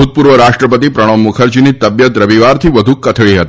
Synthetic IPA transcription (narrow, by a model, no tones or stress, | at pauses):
ut̪̚puɾʋəɾaʃʈɾəpət̪ipɾəɽ̃omːukʰəɾd͡ʒinit̪əbjət̪ɾəʋiʋaɾt̪ʰiʋəd̪ʱukət̪ʰɭiɦət̪i